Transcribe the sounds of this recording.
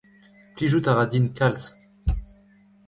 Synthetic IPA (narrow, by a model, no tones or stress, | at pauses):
pliʒut̪aʁad̪inkals